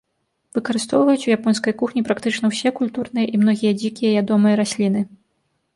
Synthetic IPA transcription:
v̥ɨkɐɾɨst̪ɔwvɐjut͡sʲujapɔnskɐjkuxnʲipɾakt̪ɨt͡ʂnɐwsʲɛkulʲt̪urnɨjɐʔimnɔɣʲijɐd͡zʲikʲijɐjʲad̪ɔmɨjɐɾasʲlʲin̪ɨ

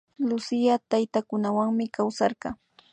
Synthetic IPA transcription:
lʊsɪjat̪ajt̪akʊnawaŋmɪkawsɑɾɢɑ

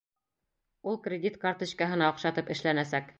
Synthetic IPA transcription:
ulˠkrʲɪd̪ʲit̪kɑrt̪ŏt͡ɕkɑɦɤ̆nɑŏqʃɑt̪ɤpɘ̆ʃlænæsæk

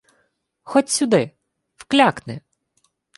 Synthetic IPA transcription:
xɔtʲsʲʊd̪ɪ | wklʲaknɪ

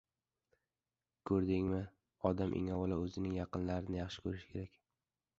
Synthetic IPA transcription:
kʰɵɾd̪ɪŋmɪ | ɒd̪amʔɪ̰ŋɒwlaɵzɪnɪŋjɑqɨnlaɾɪnɪjɑχʃɪ̥kʰɵɾɪʃɪ̥kʰʲeɾakʲ

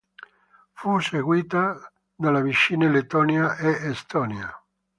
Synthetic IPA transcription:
fuseɡwiːt̪a | d̪alavit͡ʃːiːnelet̪ɔːnjaʔeest̪ɔːnja

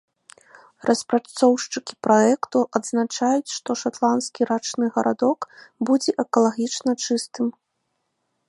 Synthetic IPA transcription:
rʔɐspɾat̪sɔwʂt͡ʂɨkʲi̥pɾɔɛkt̪uʔɐd̪znat͡ʂajut͡sʲʂt̪ɔʂat̪lˠanskʲiɾat͡ʂnɨɣɐɾʔa̰d̪ɔkbud͡zʲɛʔɛkɐlˠaɣʲit͡ʂnɐt͡ʂɨst̪ɨm

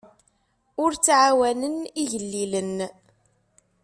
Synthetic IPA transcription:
ʊɾt͡sːʕawænəniʝəlːilən

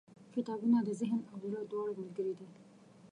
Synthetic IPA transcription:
kɪt̪ɑbunad̪əzɪɦnawlad̪wɑɽamalɡəɾid̪i

